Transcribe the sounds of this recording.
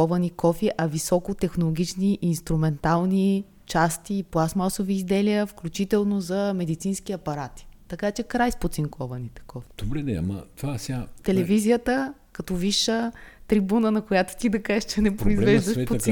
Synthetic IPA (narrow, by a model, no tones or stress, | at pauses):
ɔvɐnikɔfiʔɐvisɔkot̪ɛxnolˠoɡ̟ʲit͡ʃniʔinst̪ɾumɛnt̪alˠni | t͡ʃast̪iːplˠasmasoviːzd̪ɛlijəfklʲut͡ʃit̪ɛlˠnozɐmɛd̪it̪sinsk̟iɐpɐɾat̪i̥t̪ɐkat͡ʃɛkɾajspot̪siŋkʰɔvɐnit̪ɛ̥kɔfi̥d̪̥obɾɛnɛ̰a̰mɐ̰t̪vasat̪ɛlɛvizijət̪əkɐt̪ɔviʃət̪ɾibunənɐkojat̪o̥t̪id̪ɐkaʒʃt͡ʃɛnɛpɾoizvɛʒd̪əʃpo